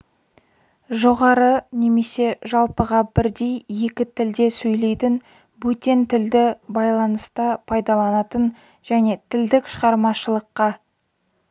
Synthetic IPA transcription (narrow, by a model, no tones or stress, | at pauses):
ʒo̞ʁɑɾəne̞me̞se̞ʒɑlˠpəʁɑbɪɾd̪e̞jje̞kʲɪt̪ʰɪld̪e̞sɵjle̞jt̪ɪn | bɵt̪ʲent̪ʰɪld̪ɪbɑjlˠɑnəst̪ɑpʰɑjd̪ɑlˠɑnɑt̪ən | ʒ̥æne̞t̪ʰɪld̪ɪkʃəʁɑɾmɑʃəlˠəqːɑ